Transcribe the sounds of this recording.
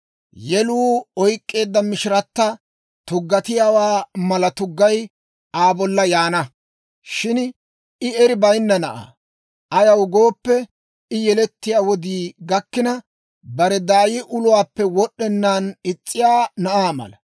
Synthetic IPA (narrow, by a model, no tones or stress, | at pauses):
jɛluːɔjkʼːe̞ːd̪ːɐmɪʃɪɾɐt̪ːɐ | t̪ʊɡːɐt̪ɪjawaːmɐlɐt̪ʊɡːɐj | ʔaːbɔlːɐjaːnɐ | ʃɪn | ɪɛɾɪbɐjnːɐnɐʔa̰ː | ɐjɐwɡo̞ːpːɛ | ɪjɛlɛt̪ːɪjaːwɔd̪iːɡɐkːɪnɐ | bɐɾɛd̪aːjɪʔʊlʊwaːpːɛwɔɗːɛnːaːnɪt͡sʼːɪjaːnɐʔaːmɐ̰lɐ